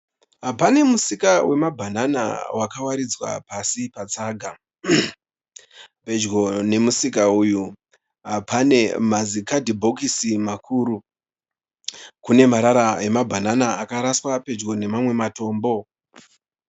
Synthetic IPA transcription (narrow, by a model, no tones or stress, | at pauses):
ɦapane̞musikawʔe̞mabʱanana̰wakawaɾid͡zwa̰pasipat͡saɡʱa | pe̞d͡ʒɡo̞ne̞musikauːju | ɦapane̞mazikadʱibʱo̞kisimakʰuːɾu | kune̞maɾaɾaemabʱananaːkaɾaswape̞d͡ʒɡo̞ne̞mamwe̞mato̞ːmbo̞